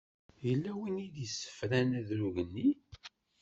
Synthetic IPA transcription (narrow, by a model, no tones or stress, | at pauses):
jəlːæwiniðisːə̥fɾænæðɾuʝənːi